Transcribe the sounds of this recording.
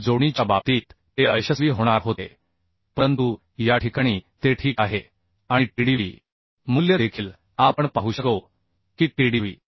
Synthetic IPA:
d͡zoɽ̃it͡ɕabap̚t̪iːt̪ːeəjɕəsʋiːɦoɽ̃aɾɦot̪ḛ | pəɾənt̪u | jaʈʰikaɽ̃iːt̪eʈʰiːkaɦe | aɽ̃iʈiɽiʋḭː | muljəd̪ekʰiːl | apəɳpaɦuːɕəkə | kiːʈiɽiʋḭː

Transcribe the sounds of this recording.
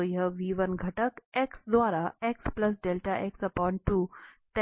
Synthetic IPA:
əjəʋiːʋənɡʱɐʈəkeksd̪ʋaːɾaeksplɐs̬ɖeːlʈaʔeksɐpɔːɳʈʈːut̪e

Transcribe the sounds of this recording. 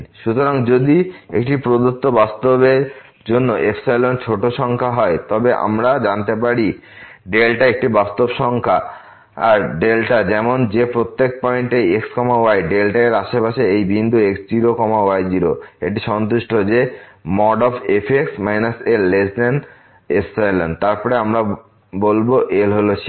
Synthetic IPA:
ʃut̪oɾaŋd͡ʑod̪iḛkʈipɾod̪ut̪ːobast̪obeɾ | d͡ʑonːoʔefsajlont͡ɕʰoʈoʃɔŋkʰaɦɔet̪ɔbeʔa̰mɾad͡ʑant̪ep̬aɽi | ɖelʈaek̚ʈibast̪obʃɔŋkʰa | aɾɖelʈad͡ʑɛmond͡ʑepɾot̪ːek̚pɔiɳʈeekskɔmaoajɖelʈaeɾaʃepaʃeejbind̪ʱueksd͡ʑiɾokɔmaoajd͡ʑiɾoḛʈ̬iʃɔnt̪uʃʈod͡ʑemɔɖɔfʰepʰeksmajnaselːesd̪en | efʰsajlo̰nt̪aɾpɔɾeamɾa | bolboʔelɦolot͡ʃʰi

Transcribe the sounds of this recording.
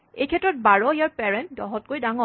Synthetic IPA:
ḛjkʰɛtɹɔt̚baɹɔijaɹpɛɹɛnt̚dɔɦɔt̚kojdaŋɔ

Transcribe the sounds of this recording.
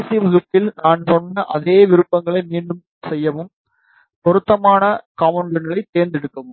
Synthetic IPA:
siʋɐɣɯpːɪlnaːnsɔnːɐʔɐðeːʋɪɾɯpːɐŋɡɐɭɐɪmiːɳɖɯm | sɛjːɐʋɯm | pɔɾɯt̪ːɐmaːnɐkaːmɐɳɖɐnɡɐɭɐɪt̪ːeːɾnd̪ɪɽɯkːɐʋɯm

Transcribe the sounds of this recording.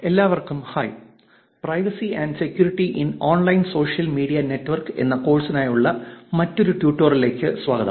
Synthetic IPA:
e̞lːaːʋɐrkumhɐj | prɐjʋɐsiɐːɳɖse̞kʲjuːɾiʈːiʔinoːnlɐjnso̞ːʂijɐlmiːɽijɐne̞tːʋɐrke̞̰nːɐko̞ːɭsɐnaːjuɭːɐmɐtːo̞ɾuʈjuːʈːoːrile̞ːkʲːɨsʋaːɡɐðɐ̰

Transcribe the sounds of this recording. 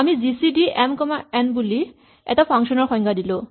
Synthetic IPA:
amizisiɖiɛmkɔmaenbuli | ɛ̰tapʰaŋʃɔnɔɾxɔjŋɡadilo

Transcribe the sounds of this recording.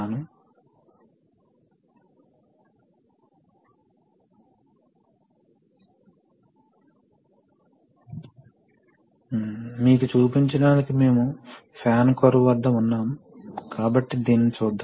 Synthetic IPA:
anu | miːkut͡ʃuːpiɲt͡ʃɐɖaːnikime̞ːmupʰaːnkoɾuʋɐd̪ːɐunːaːmukaːbɐʈːid̪iːnːit͡ʃuːd̪ːa

